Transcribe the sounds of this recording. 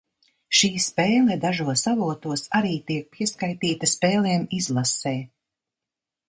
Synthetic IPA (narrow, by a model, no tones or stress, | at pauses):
ʃiːspeːlˠɛd̪aʒuɔsavuɔt̪uɔsaɾiːt̪iɛk̚piɛskajt̪iːt̪ɐspeːlˠɛɛmizlˠasɛː